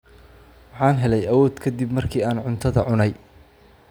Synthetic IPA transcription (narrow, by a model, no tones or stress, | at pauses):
wɑħɑːnɦɛlɛjɐwɔːd̪kʰɐd̪ibmɐrkʰiːaːnʕʊnt̪ʰɐðɐʕʊnɛj